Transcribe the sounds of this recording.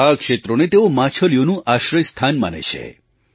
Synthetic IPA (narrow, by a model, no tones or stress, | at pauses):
akʃet̪ɾonet̪eomãt͡ʃʰəljonũʔaʃɾəjst̪ʰanma̰nḛt͡ʃʰḛ